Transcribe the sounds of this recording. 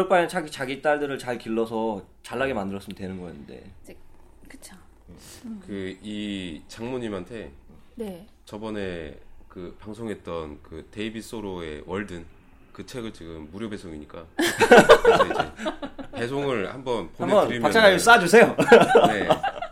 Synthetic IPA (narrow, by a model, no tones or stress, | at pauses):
kɯɾʌkp͈ajʌnt͡ɕʰaɡit͡ɕaɡit͈aɭdɯɾɯɭt͡ɕaɭkiɭːʌsʰʌ | t͡ɕaɭːaɡemandɯɾʌs͈ɯmjʌntwenɯnɡʌjnɯnde̞̰ | kɯ̥t͡ɕʰo | kɯit͡ɕaŋmoɲimɦantʰe̞ | ne | t͡ɕʌbʌne̞kɯpaŋsʰoŋɦe̞t̚t͈ʌnkɯte̞ibis͈oɾoe̞̰wʌɭdɯn | kɯt͡ɕʰe̞ɡɯɭt͡ɕiɡɯmːuɾjobe̞sʰoŋiɲik͈a | id͡ʑḛpe̞s̬ʰoŋɯɭhambʌnpoamʌnɯɾimpat͡ɕʰaɡas͈ad͡ʑusʰe̞jone